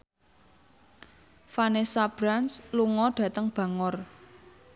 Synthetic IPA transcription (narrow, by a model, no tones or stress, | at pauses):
fanesab̥ɾansluŋɔɖ̥ä̤t̪əŋb̥ä̤ŋɔr